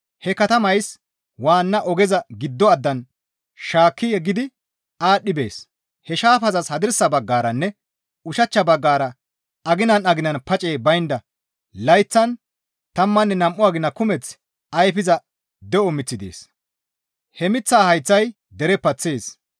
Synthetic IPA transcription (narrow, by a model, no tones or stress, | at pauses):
hɛkɐt̪ɐmɐjs | waːnːɐʔɔɡɛzɐɡɪd̪ːɔɐd̪ːɐn | ʃaːkːɪjɛɡɪd̪ɪ | aːɗːɪbe̞̰ːs | hɛʃaːfɐzɐshɐd̪ɪɾsɐbɐɡːaːɾɐnːɛ | ʊʃɐt͡ʃːɐbɐɡːaːɾɐ | ɐɡɪnɐnɐɡɪnɐnpɐt͡ʃʼeːbɐjnd̪ɐ | lɐjt͡sːɐn | t̪ɐmːɐnːɛnɐmʔːʊaːɡɪnːɐkʊmɛt͡s | ɐjfɪzɐ | d̪ɛɔmɪt͡sːɪd̪ḛːs | hɛmɪt͡sːaːhɐjt͡sːɐj | d̪ɛɾɛpːɐt͡sːeːs